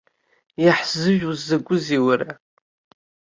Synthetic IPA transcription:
jaħz̥ɨʒᶣuzːaɡʷʼʊziwaɾa

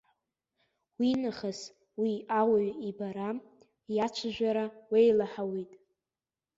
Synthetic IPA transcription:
winaχas | wiawaɥibaɾa | jat͡ʃʷʰʒᶣʷaɾawejlaħawitʼ

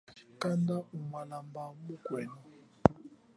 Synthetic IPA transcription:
kʼandaumwalambamuɡ̥wɛːnɔ

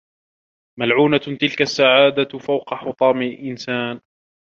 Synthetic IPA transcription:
malʕuːnat̪ɪlkasːaʕaːd̪afawqɑħʊt̪ˤɑːmɪlʔɪnsaːn

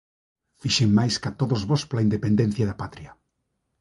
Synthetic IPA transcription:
fiʃeŋmajskat̪oðozβospolaind̪epend̪en̟θjaðapat̪ɾia

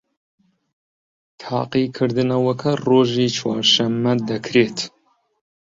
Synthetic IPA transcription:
t̪ʰɑ̰ːqiːkʰɨɾd̪ɨnɐwɐkʰɐroːʒiːt͡ʃʰwa̰ːɾʃɐmːɐd̪ɐkʰɾeːt̪

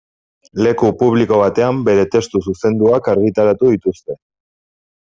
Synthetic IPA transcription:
le̞kupuβ̞liko̞β̞at̪e̞ambe̞ɾe̞t̪e̞st̪ususe̞nd̪uakaɾɣ̞it̪aɾat̪uðit̪ust̪e̞

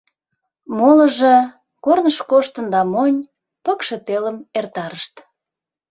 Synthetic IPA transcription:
molə̆ʒĕ | kornəʃkoʃt̪ənd̪ɑmonʲ | pəkʃet̪eləmert̪ɑɾəʃt̪

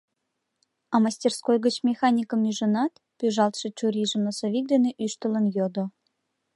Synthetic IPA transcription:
ɑmɑsʲtʲerskojɣət͡ɕmʲexɑnʲikəmnyʒə̆nɑt̪ | pyʒɑlt̪ʃɤ̆t͡ɕuɾʲiʒə̆mnosoβʲik̚d̪eneʔyʃt̪ələnjod̪o

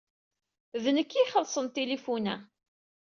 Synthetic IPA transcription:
ðnəkːiχəlsˤənt̪elifunæ

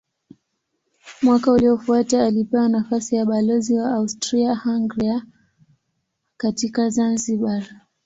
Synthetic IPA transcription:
mwakauliɔfuataːlipɛwanafasijaɓalɔziwaːustɾiahaŋɡɾia | katikazanziɓa

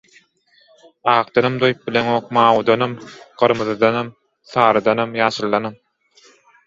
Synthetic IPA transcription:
ɑːqd̪̥ɑnɑmd̪ojp̚bileŋoːq̚mɑːwud̪ɑnɑmɢ̥ɯɾmɯðɯd̪ɑnɑm | θɑːɾɯd̪ɑnɑmjɑːʃɯlˠːɑnɑm

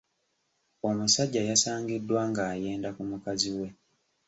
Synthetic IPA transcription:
o̞musaɟːajasaːŋɡidːwaŋɡaːje̞ːndakumukaziwe̞

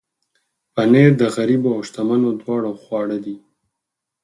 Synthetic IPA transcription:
paneɾd̪əɣaɾiboawʃt̪amanod̪wɑːɽaxwɑːɽad̪i

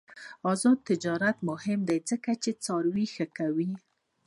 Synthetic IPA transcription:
ɑzɑd̪̚t̪ɪd͡ʒɑɾat̪mʊhɪmd̪ajd͡zəkat͡ʃet͡sɑɾwixəkawi

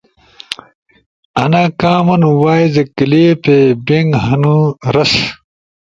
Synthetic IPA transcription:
ɐnaːkaːmɐnuwaːjzɐkileːpebeŋɡɦɐnuɾɐs

